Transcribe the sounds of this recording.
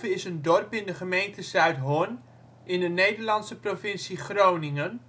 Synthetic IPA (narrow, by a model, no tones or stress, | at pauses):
vəɪsəndɔrpɪndəχəmejntəsœɥtɦon | ʔɪndənejdərlɑntsəprofɪnsiχrownɪŋən